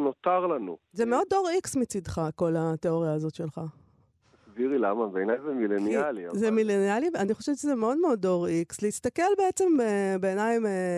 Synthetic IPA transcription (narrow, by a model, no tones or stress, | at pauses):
not̪aʁlanṵzemeo̞dːo̞ʁiksmit͡sid̪χako̞lat̪eo̞ʁjaːzo̞t̪ʃe̞lχa | asbiʁilamabeenajzemilenialia̰zemilenialianiχo̞ʃeveʃezemeo̞dmeo̞do̞ʁiksleist̪ake̞lbe̞et͡se̞mbebe̞ːnajme